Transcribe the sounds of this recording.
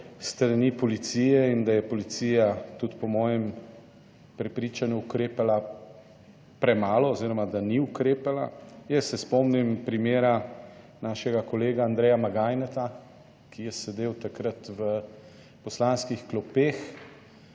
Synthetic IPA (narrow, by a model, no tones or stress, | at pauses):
st̪ɾanipɔlit̪sijɛind̪ajɛpɔlit̪sijat̪ut̪pɔmɔːjɛm | pɾɛpɾit͡ʃanjuːkɾeːpala | pɾɛmaːlɔːziːɾɔmad̪aniukɾeːpala̰jɛsːɛspɔmnimpɾimeːɾa | naːʃɛɡakɔleːɡaːnd̪ɾɛjamaɡaːjnɛt̪a | kʰijɛsɛd̪eːwt̪akɾət̪ʋə | pɔslanskixklɔpeːx